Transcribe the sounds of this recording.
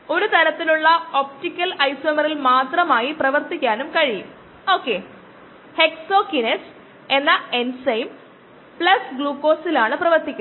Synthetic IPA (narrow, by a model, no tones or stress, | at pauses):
o̞ɾut̪ʰɐɾɐt̪ːiluɭːɐop̚tikʲːɐlɐjsoːmɐrilmaːt̪rɐmaːjiprɐʋɐrt̪ikʲːaːnumkɐɻijum | o̞ːkːe̞ | he̞kso̞ːkines | e̞nːɐensɐjm | pɭɐsɡɭuːkːo̞ːsilaːɳɨprɐʋɐrt̪ikʲːu